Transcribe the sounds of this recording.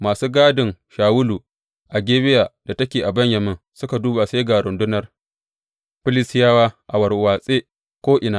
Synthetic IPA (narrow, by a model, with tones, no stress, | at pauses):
maː˨suː˦ɡaː˦dɪ˨ŋʃaː˨wʊ˦luː˨ | ʔa˨ɡʲeː˦bɪ˦jaː˨d̥a˨tɐ˦kʲeː˨ʔa˨bɐ˦ɲjɐ˨mɪ˦n | sʊ˦ka˨duː˦ba˨se˦ɡa˨ɾʊ˨ndʊ˦nɐ˨r | ɸɪ˦lɪ˦sɪ˦jaː˦waː˦ʔa˨wɐ˨rwaː˨sʼeː˦ | kʷoː˦ʔɪ˨naː˦